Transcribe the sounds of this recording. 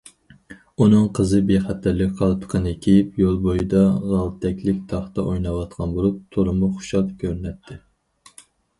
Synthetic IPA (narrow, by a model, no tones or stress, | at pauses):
unɨŋqʰəzɨbeχæt̪ʰːæɾlːɪkʲqʰɑlˠt̪ʰqʰənɨkʲʰejip̚jolˠbojid̪ɑʁɑlˠt̪ʰɛkʲlɪkʲt̪ʰɑχt̪ɑʔojnɑwɑt̪̚qʰɑnbolˠup̚t̪ʰoɾɨmʊχʊ̥ʃɑt̪ˠkʲʰøɾnɛt̪ʰːɪ